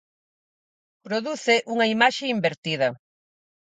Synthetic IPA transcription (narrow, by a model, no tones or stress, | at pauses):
pɾoðuθeʔuŋɐimaʃeimbeɾt̪iðɐ